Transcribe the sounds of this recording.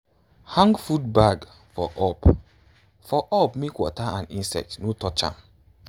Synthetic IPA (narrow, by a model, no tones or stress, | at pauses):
hãŋɡfudbaɡ | fɔʔɔp | fɔʔɔpmekwɔ̰taãnĩnsɛ̰tnotɔt͡ʃã̰m